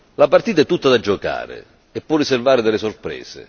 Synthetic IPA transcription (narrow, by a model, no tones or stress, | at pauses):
lapart̪iːt̪aɛt̪ːut̪ːad̪ad͡ʒːɔka̰ːɾɪ̰ | ɛpːɔrːiservaːɾɪd̪ɛlɪsɔrpɾɛ̰ːsɪ̰